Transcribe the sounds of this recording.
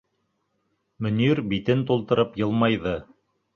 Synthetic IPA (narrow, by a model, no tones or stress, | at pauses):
mɵ̆nyɾbit̪ɘnt̪ulˠt̪ɤ̆ɾɤpjɤ̆lˠmɑjðɤ